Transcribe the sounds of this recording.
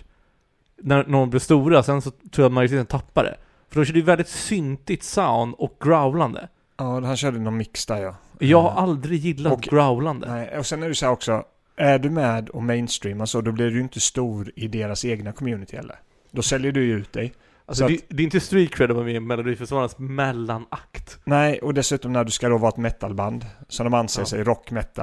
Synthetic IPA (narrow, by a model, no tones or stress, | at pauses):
næɾnɔblɪst̪uːɾasɛnsɔt̪ʰɾuːjat̪majʊt̪ʰeːt̪ənt̪ʰapːad̪ɛ̰ | fœɖɔʃɛːɖɛjvɛld̪ɪt̪sʏnt̪ɪt̪saʊnɔk̚ɡɾaʊland̪ə̰ | ɑːhanɕœːɖənɔnmɪksd̪æɾjɑjɑːɡhaɾʔald̪ɾɪɡjɪlːat̪ɡɾaʊland̪ə̰nɔsɛnːæɖɪsahæːɾɔksɔ | æɖɵmɛːd̪ɔmɛɪnst̪ɾiːmasɔd̪ɔblɪɖɪjɪnt̪əst̪uːɾɪd̪eːɾaseːɡnakʰɔmjʉːnɪt̪ʰɪhɛ̰lːə̰ɾ | d̪ɔsɛljəɖɵjʉ̟ːt̪̚d̪ɛj | alsɔat̪d̪ɛɪnt̪əst̪ɾiːkʰɾɛd̪ɔvamɪmɛlʊd̪iːfœʂvɑːɾansmɛlːanakt̪nɛɪʔɔd̪ɛsʉ̟ːt̪ɔmnæɖɵskad̪ɔvɑːɛt̪mɛt̪ːalband̪sɔmd̪ɔmanseːʂɛjɾɔkːmɛt̪ːa̰